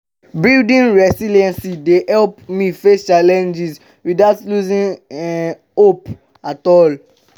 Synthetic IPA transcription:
bildĩnɹɛsiliɛ̃nsidehɛlpmifest͡ʃalɛ̃nd͡ʒis | widaʊtluzĩn | op | atɔl

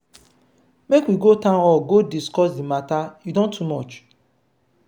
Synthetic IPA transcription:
mekwiɡotãɔɡodiskɔs̬dimatajudɔ̃ntʰːumɔt͡ʃ

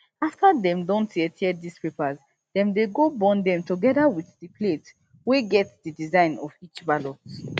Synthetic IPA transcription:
aftadɛ̃mdɔ̃ntʰɛtʰɛdispepəz | ðɛ̃mdeɡobɔ̃ndɛ̃mtuɡɛdawiθdipʰlet | weɡɛtdidizãɪ̃nɔvit͡ʃbalɔt

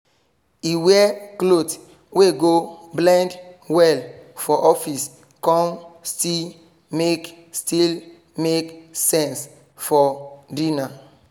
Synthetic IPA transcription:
iwɛklot | weɡoblãndwɛlfɔʔɔfis | kɔ̃nstil | mek | stil | meksɛ̃ns | fɔdĩna

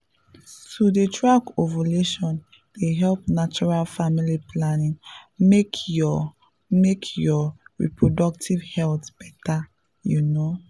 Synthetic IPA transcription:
tudetʰɹakovaleʃɔ̃n | deɦɛlpnat͡ʃɔɹalfamiliplanĩŋmekʰjɔ | mekʰjɔɹḭpɹodɔk̚tʰivhɛltb̥ɛta | juno

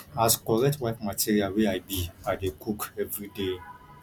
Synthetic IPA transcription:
askɔɾɛtwaɪkmatʰiɾialweaɪbiadekʰukɛvɾide

